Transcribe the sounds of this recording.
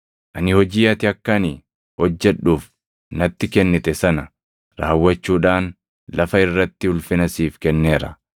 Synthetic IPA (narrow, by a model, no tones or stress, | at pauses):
ʔɐnɪhɔd͡ʒiːɐt̪ɪɐkːɐni | hɔd͡ʒːɛᶑuːf | nɐt̪ːɪkɛnːɪt̪ʼɛsɐnɐ | ɾaːwːɐt͡ʃːuːᶑaːn | lɐfɐɪrːɐt̪ːɪʊlfɪnɐsiːfkɛnːe̞ːɾɐ